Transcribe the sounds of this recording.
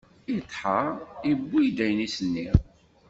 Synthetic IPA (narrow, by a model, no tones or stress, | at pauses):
it̪ːˤħaibːijd̪æjnisənːi